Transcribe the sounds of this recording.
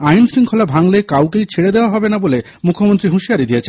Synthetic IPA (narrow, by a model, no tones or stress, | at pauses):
ajnsɾiŋkʰolabʱaŋlekawkejt͡ɕʰeɽed̪eoaɦɔbenabole | mukʰːomont̪ɾiɦuʃiaɾid̪iet͡ɕʰe